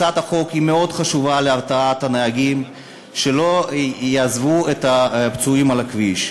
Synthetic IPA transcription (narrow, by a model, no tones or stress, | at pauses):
at̪aχo̞khimeo̞d̪χaʃuvaleavtaat̪aneaɡim | ʃelo̞jaːzvuet̪apt͡suimalakviʃ